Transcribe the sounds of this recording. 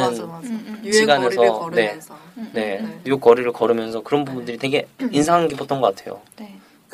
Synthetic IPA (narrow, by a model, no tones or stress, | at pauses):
ɯn | ɕiɡane̞sʰʌne̞ne̞jok͈ʌɾiɾɯɭkʌɾɯmjʌnsʰʌkɯɾʌnbubundɯɾite̞ɡe̞insʰaŋɦaŋɡibʌt͈̚ʌnɡʌk͈atʰe̞jo̰